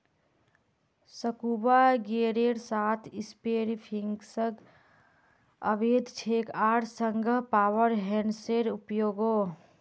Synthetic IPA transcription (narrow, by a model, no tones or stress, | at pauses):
səkubaɡeːɾeɾsaːt̪ʰɪspeːɾipʰiŋɡsəɡ | əʋeːd̪ʱt͡ʃʰeːkaːɾsəŋɡʱəɦpaːwəɾɦɛnseɾʊpjoːɡoː